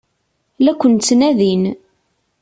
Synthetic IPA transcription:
lækʷːənt͡s̪ːnæðin

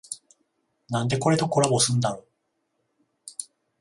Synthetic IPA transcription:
nãnd̪e̞ko̞ɾe̞t̪o̞ko̞ɾabo̞sɨ̃nd̪ano

